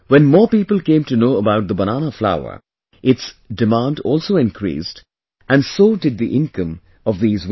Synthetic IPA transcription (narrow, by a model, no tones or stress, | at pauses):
wɛ̃nmɔːɹpiːpəl̩ˠkẽːmtunoːəbaʊt̚d̪əbənanəfla̰ʊə̰˞ | ʔɪtsdɪmãndɔlˠsoːɪ̃nkʰɾḭːst | æ̃nsoːdɨd̪̚ðiʔɪ̃nkə̃m | ʌvðiːzw